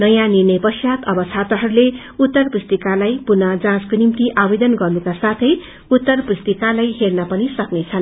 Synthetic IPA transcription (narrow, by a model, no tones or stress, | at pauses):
nʌjãnirnʌjpʌsjat̪ʌbʌt͡sʰat̪ʌɦʌɾule | ut̪ːʌrpust̪ikalajpunʌd͡zãskonimt̪iʔabed̪ʌnɡʌrnukasat̪ʰʌj | ut̪ːʌrpust̪ikalajɦernʌpʌnisʌknet͡sʰʌn